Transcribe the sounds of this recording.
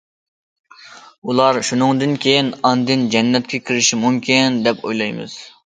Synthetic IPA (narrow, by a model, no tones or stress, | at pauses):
ulˠɑɾʃunɨŋd̪ɨnkʲʰejinɑnd̪ɨnd͡ʒɛnːɛt̪̚kʲʰɛkʲʰiɾɪʃimumkʲʰind̪ɛpʰo̰jlˠɑjmɨ̰z̥